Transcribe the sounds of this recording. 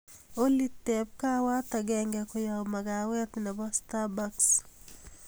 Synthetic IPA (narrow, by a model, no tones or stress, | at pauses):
olit̪ːɛp̚kawat̪aɡɛŋɡɛkʊjamaɡawɛt̪nɛbɔst̪abaks